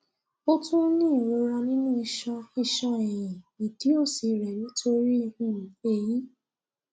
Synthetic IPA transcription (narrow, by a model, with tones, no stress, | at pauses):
ɔ˦tũ˦nĩ˦˨ɾo˧ɾa˧nĩ˦nũ˦i˧ʃɔ˧i˦˧ʃɔ˧ɛ̃˨j̃ĩ˨i˨ti˨˦o˦˨si˨˧ɾɛ˨nĩ˨˦tʰo˧ɾi˦i˧hũ˦˨e˧ji˦